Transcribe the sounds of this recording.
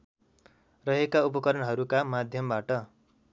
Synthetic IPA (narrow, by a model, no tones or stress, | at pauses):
rʌɦekaupʌkʌɾʌnɦʌɾukamad̪ʱjʌmbaʈʌ